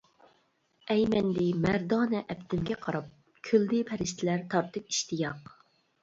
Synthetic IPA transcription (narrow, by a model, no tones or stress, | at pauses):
ɛjmɛnd̪ɪmæɾd̪ɑːnɛʔɛpt̪ʰɪmɡʲɛqʰɑɾɑp̚ | kʲʰøld̪ɪpʰæɾɪʃt̪ʰɪlæɾt̪ʰɑɾt̪ʰɨpi̥ʃt̪ʰijɑq